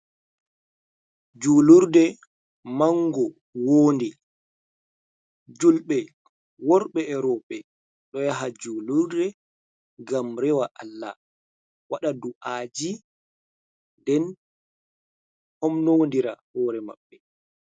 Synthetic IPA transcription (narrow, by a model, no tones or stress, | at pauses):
d͡ʒuːluɾdɛ | maŋɡɔ | woːndi | d͡ʒulɓɛ | wɔɾɓɛɛɾɔɓɛ | ɗɔjaɦad͡ʒuluɾdɛ | ɡamɾɛwaʔalːa̰ | waɗaduʔaːd͡ʒi | ndɛn | hɔmnondiɾa̰hɔːɾɛma̰ɓːɛ